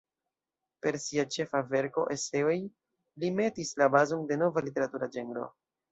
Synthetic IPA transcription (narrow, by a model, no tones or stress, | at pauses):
pe̞ɾsiat͡ʃe̞fave̞ɾko̞ʔe̞se̞o̞j | lime̞tislabazonde̞no̞valite̞ɾatuɾad͡ʒe̞ŋɡɾo̞̰